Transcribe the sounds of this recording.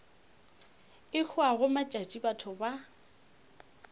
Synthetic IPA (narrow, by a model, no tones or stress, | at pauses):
ɪk͡xʰʊaɣʊmat͡ʃʼat͡ʃʼibatʰʊba